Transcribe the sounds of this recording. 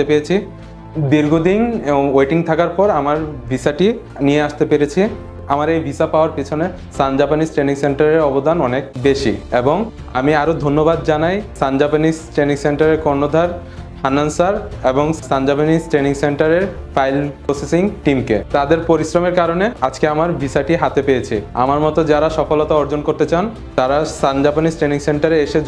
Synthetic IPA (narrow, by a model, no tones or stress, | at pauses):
t̪epeɾet͡ɕʰi | d̪iɾɡʱod̪inejʈiŋt̪ʰakaɾpɔɾamaɾbʱisaʈi | nijeaʃt̪epeɾet͡ɕʰi | amaɾejbʱisapaoaɾpit͡ɕʰone | st̪and͡ʑapanisʈɾeniŋseɳʈaɾeɾɔbod̪anɔnekbeʃḭeboŋ | a̰miaɾod̪ʱonːobad̪̚d͡ʑanajsand͡ʑapanisʈɾeniŋseɳʈaɾeɾkɔɾnod̪ʱaɾ | anansaɾeboŋst̪and͡ʑapanisʈɾeniŋseɳʈaɾeɾfajlpɾosesiŋʈimkḛt̪ad̪eɾpoɾisɾomeɾkaɾonead͡ʑkeamaɾbʱisaʈiɦat̪epejet͡ɕʰia̰maɾmɔt̪od͡ʑaɾaʃɔfolɔt̪aɔɾd͡ʑonkoɾt̪et͡ɕan | t̪aɾast̪and͡ʑapanisʈɾeniŋseɳʈaɾeeʃe